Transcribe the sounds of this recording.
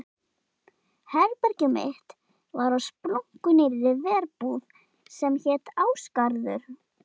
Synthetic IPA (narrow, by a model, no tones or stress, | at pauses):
hɛɾpɛɾcʏmɪ̰ht̪ | vaɾawspɾoŋ̥kʏnɪɾɾɪvɛːɾpuːð | sɛmçɛt̪aːwskaɾðʏɾ̥